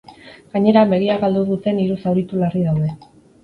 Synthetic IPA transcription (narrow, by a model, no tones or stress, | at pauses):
ɡ̥aɲe̞ɾambe̞ɣ̞iaɣald̪uðut̪e̞niɾusawɾit̪ulariðawðe̞